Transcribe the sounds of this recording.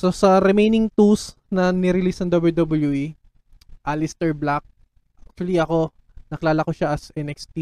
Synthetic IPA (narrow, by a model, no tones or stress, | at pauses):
so̞sɐɾɛmejnɪŋt̪us | nɐnɪɾɪlisnɐŋd̪obɐld̪obɐljui | ʔalist̪ɛɹblak̚ | ʔak̚t͡ʃʊɐliʔɐko̞ | nɐkɪlaːlɐkoʃaʔɐsʔɛnɛkst̪i